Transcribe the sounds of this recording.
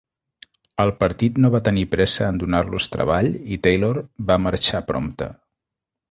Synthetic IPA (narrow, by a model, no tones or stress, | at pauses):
əlˠpəɾt̪it̪noβat̪ənipɾɛsəːnd̪unarlust̪ɾə̰β̞aʎit̪ejloɾbaməɾt͡ʃapɾo̰mt̪ə̰